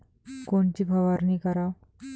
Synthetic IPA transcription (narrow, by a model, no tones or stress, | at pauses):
koɳt͡ɕibʱaʋaɾnikaɾa